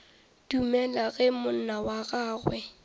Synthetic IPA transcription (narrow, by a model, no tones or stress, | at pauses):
d̥umɛlaɣɛmʊn̩nawaɣaːɣwɛ